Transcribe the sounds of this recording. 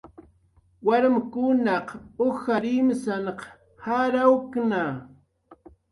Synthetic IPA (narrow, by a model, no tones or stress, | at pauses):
waɾmkʊnɑqoxaɾimɪsanq | haɾawkna